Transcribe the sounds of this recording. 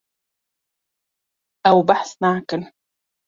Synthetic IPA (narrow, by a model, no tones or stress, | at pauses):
ʔawbaħsnaʕkɪn